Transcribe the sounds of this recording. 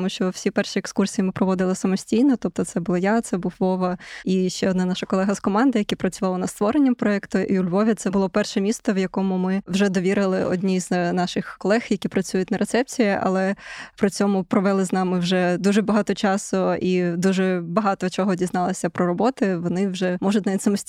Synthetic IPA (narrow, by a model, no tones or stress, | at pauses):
muʃt͡ʃɔwsʲipɛrʃiekskursʲijimɪpɾɔʋɔd̪ɪlˠɪsɐmɔsʲtʲijnɔt̪ɔp̚t̪ɔt̪sɛbʊlˠɔjat̪sɛbuwʋɔʋɐiʃt͡ʃɛɔd̪nɑnɑʃɐkɔlˠɛɦɐzkɔmɑnd̪ɐjɐkʲipɾɐt͡sʲʊʋɑlˠɐnɐst̪ʋɔɾenʲːɐmpɾɔɛkt̪ʊʔiʊlʲʋɔʋʲit̪sɛbʊlˠɔpɛrʃɛmʲist̪ɔʋjɐkɔmʊmɪwʒɛd̪ɔʋʲiɾɪlˠɪʔɔ̰d̪ʲnʲiznɑʃɪxkɔlˠɛxjɐkʲipɾɐt͡sʲujʊt̚ʲnɐɾʔet̪sɛp̚t͡sʲijɪʔɐ̰lˠɛpɾɪt͡sʲɔmʊpɾɔʋɛlˠɪznɑmɪwʒɛd̪uʒɛbɐɦɑt̪ɔt͡ʃɑsʊid̪uʒɛbɐɦɑt̪ɔt͡ʃɔɦɔdʲiznɑlˠɐsʲɐpɾɔɾɔbɔt̪ɪʋɔnɪwʒɛmɔʒʊtʲnaʋʲitʲsɐmɔsʲ